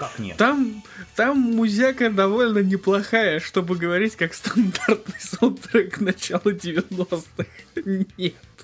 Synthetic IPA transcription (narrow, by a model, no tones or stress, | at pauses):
kakʲt̪amt̪amːʊzʲakəd̪ɐvo̞lʲnənʲɪplˠɐxajəʂt̪o̞bɨɡəvɐɾʲitʲkakst̪ɐnd̪art̪nɨjsut̪ɾɨknɐt͡ɕalˠʊdʲɪvʲɪnost̪ɨxnʲet̪